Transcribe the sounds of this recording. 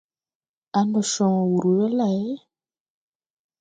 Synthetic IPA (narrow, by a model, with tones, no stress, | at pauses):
a˨ndɔ˨ʃɔ̃˨wu˨ɾu˨jɛ˦la˨jɛ˦